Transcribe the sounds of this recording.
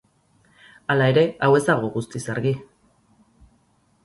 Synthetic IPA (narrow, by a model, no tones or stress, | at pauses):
alae̞ɾe̞awe̞zt̪aɣoɣust̪isaɾɣi